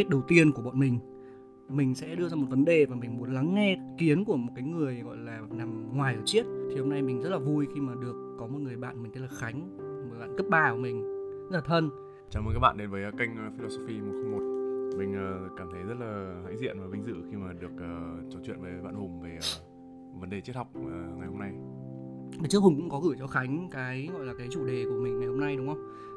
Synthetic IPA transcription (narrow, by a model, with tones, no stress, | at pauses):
t̚ɗə˨˩wt̪i˧ənku˧˩əɓɔ̰˧˨nmï˨˩ŋ̟ | mï˨˩ŋ̟sɛ̰˧˥ɗɨ˧əzaː˧mo˨˩t̚və˨˦nɗe˨˩vaː˨˩mï˨˩ŋ̟mu˨˦ənla˨˦ŋːɛ˧ki˨˦ənku˧˩əmo˨˩t̚kaː˨˦jŋɨ˨˩əjɣɔ̰˧˨jlaː˨˩na˨˩mŋwaː˨˩jʔəː˧˩t͡ɕi˦˥ət̚t̪ʰi˨˩ho˧mna˧jmï˨˩ŋ̟zə˦˥t̚laː˨˩vu˧jxi˧maː˨˩ɗɨ˨˩əkːɔ˨˦mo˨˩t̚ŋɨ˨˩əjɓa̰ː˧˨nm˨˩ŋʰə˨˦laː˨˩xa˨˦jŋ̟ | mo˨˩la̰ː˧˨nkə˦˥t̚ɓaː˧˩˨mï˨˩ŋ̟zə˦˥laː˨t̪ʰə˧n | t͡ɕaː˨˩wm˨˩kaː˦˥kɓa̰ː˧˨ɗe˨˦nvəː˨˦˨ka˧jŋ̟ː˨fi˧lo˧so˧fiː˧m˨˩t̚xa˧mo˨˩t̚mï˨˩ŋ̟əː˨˩kaː˧˩mt̪ʰə˨˦jzə˦˥t̚laː˨˩ha̰ː˧˥jzḭ˧˨ənvəː˨˦jɓi˨˧˦ŋzɨ̰˧˨xi˧maː˨˩ɗɨ˨˩ək̚ʔəː˨˩t͡ɕɔ˨˦t͡ɕwḭ˧˨ənvəː˨˦ɓa̰ː˧˨nhʊ˨˩ŋ͡mve˨˩ə˨˩ | və˨˦nɗe˨˩t͡ɕi˦˥t̚ha˨˩wk͡p̚ːŋa˨˩jho˧mna˧j | a˨˩t͡ɕɨ˦˥əhʊ˨˩ŋ͡mkʊ̰˧˥ŋ͡mkɔ˨˦ɣɨ˧˩t͡ɕɔ˧xa˨˦jŋ̟kaː˨˦jɣɔ̰˧˨jlaː˨˩kaː˨˦jt͡ɕu˧˩ɗe˨˩ku˧˩əmi̟ː˨˩a˨˩jho˧mna˧jɗʊ˨˦ŋ͡mŋhə˧wŋ͡m